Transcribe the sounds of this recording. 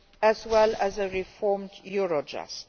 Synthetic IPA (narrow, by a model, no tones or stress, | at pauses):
əzwɛlæzəɹifɔːmdjuɹod͡ʒa̰st